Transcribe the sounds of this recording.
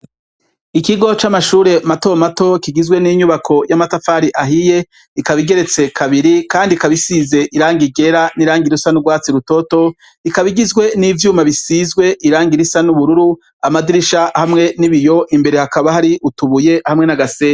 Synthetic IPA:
ikiɡo̞t͡ʃamaʃuːɾe̞mato̞mato̞kiɡizɡwe̞niɲuβakʰo̞jamatafaːɾiʔaɦije̞ | ikaβiɡe̞ɾe̞t͡se̞kʰaβiɾikaːndikaβisize̞ʔiɾaːŋɡiɡe̞ɾaniɾaːŋɡiɾusanuɾɡwaːt͡siɾuto̞to̞ | ikaβiɡizɡwe̞nivjuːmaβisizɡwe̞ʔiɾaːŋɡiɾisanuβuɾuɾu | amadiɾiʃahamŋe̞niβijo̞ʔimbe̞ɾe̞hakaβahaɾiʔutuβuje̞hamŋe̞naɡasea

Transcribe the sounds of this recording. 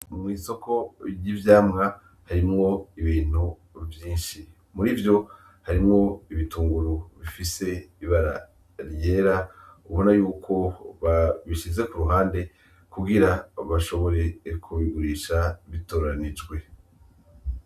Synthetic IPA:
mŋiːso̞ko̞jivjaːmŋa | haɾimŋo̞iβiːn̥hu | vjiːnʃi | muɾivjo̞ | haɾimŋo̞iβituːŋɡuɾuβifise̞iβaɾa̰ | ɾje̞ːɾauβo̞najuːkʰo̞βaβiʃize̞kuɾuɦaːnde̞ | kuɡiɾaβaʃo̞βo̞ɾe̞kʰuβiɡuɾiʃaβitoːɾanid͡ʒɡwe̞

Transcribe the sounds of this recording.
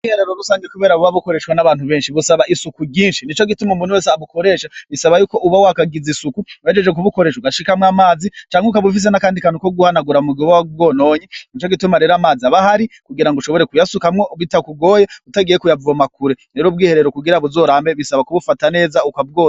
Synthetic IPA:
uɡiːheɾeɾoɾusaːɲɡekuβe̞ːɾaβuβaβuko̞ɾe̞ːʃwanaβaːn̥huβe̞ːnʃiβusaβaʔisukuɟiːnʃinit͡ʃo̞ɡitumumunhuweːseaβuko̞ɾe̞ːʃaβisaβajuːko̞ʔuβawakaɡizisukuwad͡ʒed͡ʒe̞k̬uβuko̞ɾe̞ʃwuɡaʃikamwamaːzit͡ʃaːŋeukaβufis̬e̞nakaːndikanukoɡuhanaɡuɾaumuɡoβawaubɡo̞ːnoːɲinit͡ʃoɡitumaɾeɾaːmaːziaβahaɾikuɡiɾaŋɡuʃo̞βo̞ɾe̞kujasukamŋoβitakuɡo̞ːjeutaɡijekujavuamakuɾeɾeɾob̚ɡiːhe̞ɾe̞ɾokuɡiɾaβuzo̞ːɾaːmbe̞βisaβakuβufatane̞ːzaukab̚ɡoː

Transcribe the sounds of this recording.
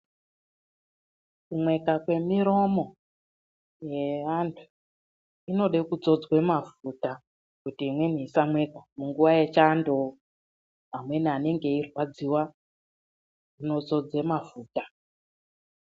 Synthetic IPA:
kumwe̞kakwe̞miɾo̞mo̞ | je̞ʋantʰu̥ | ino̞ɗe̞kud͡zo̞d͡zwe̞mafuta | kutiːmwe̞nisamwe̞kamuŋɡuʋaje̞t͡ʃando | amwe̞niane̞ŋɡe̞irwad͡ziwa | ino̞d͡zo̞d͡ze̞mafuːta

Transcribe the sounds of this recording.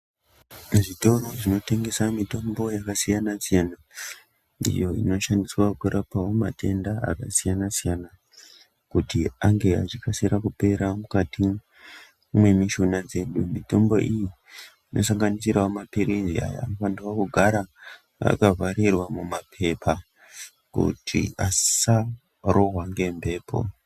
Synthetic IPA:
ʐito̞ro̞ʐino̞te̞ŋɡe̞samito̞mbo̞jakasijanasijana | ḭjo̞ḭno̞ʃandiswakuɾʔapawomatʰe̞ndaa̰kasijanasijana | kutiaŋɡe̞a̰t͡ʃikasiɾakupe̞ɾamukati | mwe̞miʃonad͡ze̞ɗumito̞mbo̞̰ʔiji | inʔo̞saŋɡanisiraomapiɾizia̰ja̰fandiwakuɡʱaɾa | a̰kavaɾirwamumapʰe̞pʰa | kṵtʰḭasa | roɦwaŋɡe̞mbe̞ːpʰo̞̰

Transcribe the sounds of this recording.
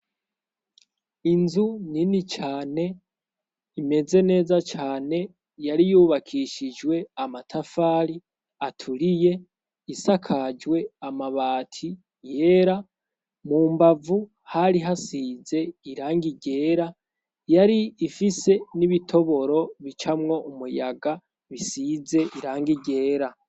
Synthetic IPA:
inzuninit͡ʃaːne̞ | ime̞ze̞ne̞ːzat͡ʃaːne̞ | jaɾijuːβakʰiʃid͡ʒwe̞amatʰafaːɾi | atʰuɾije̞ | isakʰad͡ʒwe̞amaβaːtʰi | je̞ɾa | muːmbavu | haɾiɦasiːze̞iɾaːŋɡiɟe̞ːɾa | jaɾiːfise̞niβitʰo̞βo̞ɾo̞βit͡ʃamŋo̞ʔumujaɡa | βisize̞ʔiɾaːŋɡiɟe̞ːɾa

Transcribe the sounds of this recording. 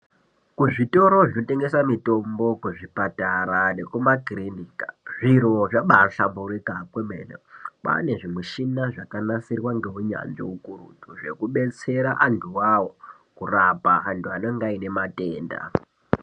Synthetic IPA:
kuʐito̞ɾo̞ʐinote̞ŋɡe̞swamito̞mbo̞kuʐipataɾane̞kumakirinikaʐiroʐaɓaɬambuɾikapwemḛnḛpa̰ne̞ʐimuʃinaʐakanasirwaŋɡe̞ɦuɲa̰nd͡ʒḛukuɾutuʐe̞kuɓe̞t͡se̞ɾaʔantʰuwawo̞ | kurapaːntʰuanoŋɡaine̞mate̞ːnda̰

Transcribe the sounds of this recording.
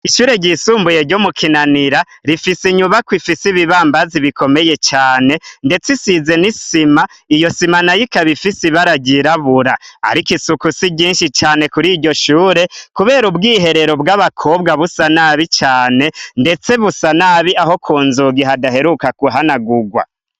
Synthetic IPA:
iʃuːɾe̞ɟisuːmbuje̞ɾɟomukʰinaniɾa | ɾifisiɲuβakwifisiβiβaːmbaziβikʰo̞me̞je̞t͡ʃaːne̞nde̞t͡sisize̞nisima | ijo̞simanajikaβifisiβaɾaɟiɾaβuɾaa̰ɾikisukusiɟiːnʃit͡ʃaːne̞kuɾiːɾɟo̞ʃuːɾe̞kuβe̞ːɾubɡiːɦe̞ɾe̞ɾo̞bɡaβakʰoːbɡaβusanaβit͡ʃaːne̞nde̞t͡se̞βusanaβiaɦo̞kʰuːnzuɡiɦadaɦe̞ɾukakuɦanaɡuɡwa̰

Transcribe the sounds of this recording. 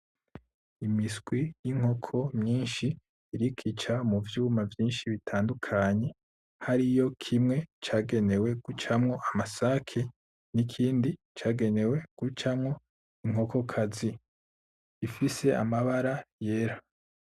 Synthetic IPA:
imisɡ̥wijiŋ̥ho̞kʰo̞mɲiːnʃiː | ɾikʰit͡ʃamuvjuːmavjiːnʃiβitʰaːndukʰaɲe̞ | haɾijo̞kʰimŋe̞t͡ʃaːɡe̞ne̞we̞ɡ̥ut͡ʃamŋo̞ʔamasakʰe | nikʰiːndi | t͡ʃaːɡe̞ne̞we̞ɡ̥ut͡ʃamŋo̞ | iŋ̥o̞ko̞kʰazi | ifise̞a̰maβaɾaje̞ːɾa

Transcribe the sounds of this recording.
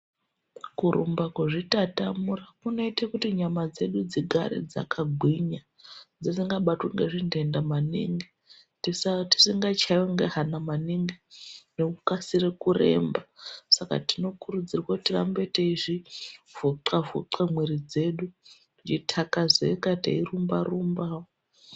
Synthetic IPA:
kuɾṵmbakweʐitatamurakunoitakutiɲamad͡ze̞ɗud͡ziɡʱa̰ɾḛd͡za̰kʰaɡʱwiɲa | d͡zisiŋɡaɓatweŋɡeʐinde̞ndamanḭŋɡe | tisati̥siŋɡat͡ʃajeŋɡeɦanamaniŋɡeneukasirekurḛːmbasaka̰tino̞kuɾud͡zirwautira̰mbe̞teiʐivoǀavṵǀamweɾid͡ze̞ːɗu | nd͡ʒitʰakazeikata̰irumbarumbaːwo

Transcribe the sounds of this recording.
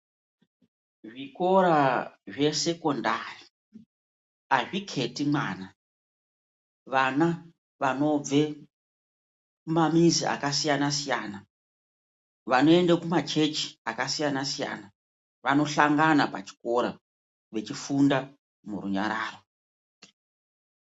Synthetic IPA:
ʐiko̞ɾaʐe̞se̞ko̞ndari | aʐikʰe̞timwa̰ːna | ʋana | ʋano̞b͡ve̞ | kumamiziʔa̰kasijanasijaːna | ʋano̞e̞ndakumat͡ʃe̞t͡ʃi̥akasijanasija̰ːna | ʋano̞ɬaŋɡanapa̰t͡ʃi̥ko̞ɾa | ʋe̞t͡ʃifunda | mṵruɲa̰ɾaːro̞

